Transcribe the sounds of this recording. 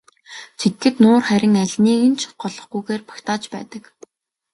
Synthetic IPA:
t͡sʰit̪ɡɘ̆t̪nʊːrχæɾʲɪ̆ŋæɮʲniːɣɘ̆nt͡ɕʰɢ̥ɔɮɞ̆χɡujɣeːrpḁkt̪aːt͡ɕpæ̰ːt̪ə̆k

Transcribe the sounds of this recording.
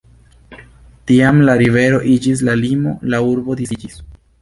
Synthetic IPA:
tiamlaɾive̞ɾo̞ʔid͡ʒis̬lalimo̞̰lauɾbo̞disid͡ʒis

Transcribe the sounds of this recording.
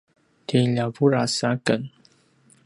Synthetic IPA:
t̪ʰilapuɾasakən

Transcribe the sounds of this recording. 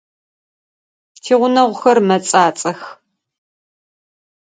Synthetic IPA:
tʰiːʁʷʊnɐʁʷʊxɐrmɐt͡sʼaːt͡sʼɐx

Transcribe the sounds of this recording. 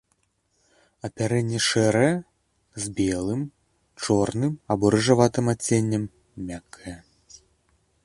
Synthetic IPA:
ɐpʲaɾɛnʲːɛʂɛɾɐjɛ | zbʲɛlˠɨm | t͡ʂɔrnɨmɐbɔɾɨʐavat̪ɨmat͡sʲenʲːɐmːʲ | akʰːɐjɛ

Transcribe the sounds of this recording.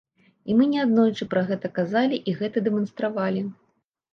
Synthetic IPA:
imɨnʲɛad̪nɔjt͡ʂɨpɾɐɣɛt̪ɐkazalʲiʔiɣɛt̪ɐd̪ɛmɐnst̪ɾavalʲi

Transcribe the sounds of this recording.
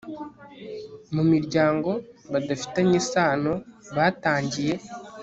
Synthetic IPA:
mumiɾɟaːŋɡo̞βadafi̥taɲesaːnoβaːtaːɲɟije̞

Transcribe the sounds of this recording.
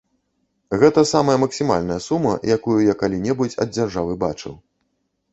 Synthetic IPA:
ɣɛt̪ɐsamɐjɐmɐksʲima̰lʲnɐjɐsumɐ̰jakujujakalʲinʲɛbut͡sʲɐ̰d̪̚d͡zʲarʐavɨbat͡ʂɨ̰w

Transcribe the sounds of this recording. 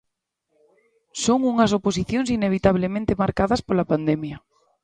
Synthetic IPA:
soŋuŋɐsopos̬iθjoŋsineβ̞it̪aβ̞lemẽnt̪emaɾkaðaspolapand̪emja

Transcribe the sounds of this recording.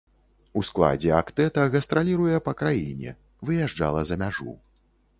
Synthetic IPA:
usklˠa̰d͡zʲɛakt̪ɛt̪ɐɣɐst̪ɾalʲiɾujɛpɐkɾajḭnʲɛ̰ | vɨjaʐd͡ʐa̰lˠɐzɐmʲaʐṵ

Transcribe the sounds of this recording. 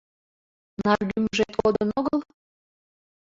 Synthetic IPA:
nɑrɡ̪yməʒet̪od̪ənoɣəl

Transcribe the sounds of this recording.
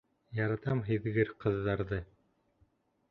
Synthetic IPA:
jɑɾɑt̪ɑmɦɘ̆ðɡɘɾqɤ̆ðːɑɾðɤ

